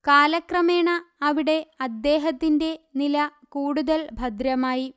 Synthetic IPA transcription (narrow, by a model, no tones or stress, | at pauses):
kaːlɐkrɐme̞ːɳɐːʋiɽe̞ɐd̪ːe̞ːɦɐt̪ːinde̞nilɐkuːɽuðɐlbʱɐd̪ɾjɐmaːji